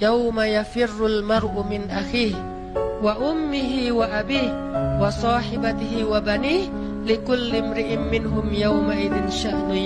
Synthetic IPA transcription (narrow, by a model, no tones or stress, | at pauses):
jawmajafɪrːʊlmɑɾˤʔʊmɪnʔaxiːh | waʔʊmːɪɦɪwaʔabiːh | wɑsˤɑːħɪbat̪ɪɦɪwabaniːh | lɪkʊlːɪmɾɪʔɪmːɪnɦʊmjawmaʔɪðɪnʃaʔnʊ